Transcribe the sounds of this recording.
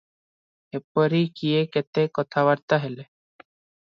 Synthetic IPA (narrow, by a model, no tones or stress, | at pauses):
epɔɾikieket̪ekɔt̪ʰaʋaɾt̪aɦele